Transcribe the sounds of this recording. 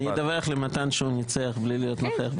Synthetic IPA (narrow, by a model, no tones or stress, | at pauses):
id̪aveχlemat̪anʃunit͡seaχblilijo̞t̪noχeaχb